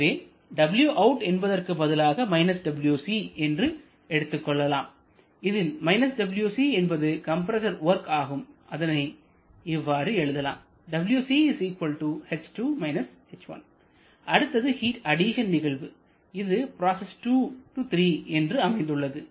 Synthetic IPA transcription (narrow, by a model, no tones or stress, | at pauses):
ʋeː | ɖɐbɪljuʔɐʊʈɛnbɐðɐrkɯbɐðɪlaːɣɐmɐɪnɐsɖɐbɪljuːsiɛndrɯ | ɛɽɯt̪ːɯkːɔɭːɐlaːm | ɪðɯnmɐɪnɐsɖɐbɪljuːsiːɛnbɐðɯkɐmpɐɾɐsɐɾʋɐɾkaːɣɯmʔɐðɐnɐɪ | ɪʋːaːɾɯɛɻɯðɐla̰ːm | ɖɐbɪljuːsiːɪsiːkʋɐlʈuhɛʈsʈuːmɐɪnɐs | ɛt͡ʃːʋɐ̰n | ʔɐɽɯt̪ːɐðɯhiːʈɐɽiʃɐnnɪɣɐɭʋɯ | ɪðɯpɪɾaːsɛsʈuːʈut̪ɾiːɛndrɯɐmɐɪnd̪ɯɭːɐðɯ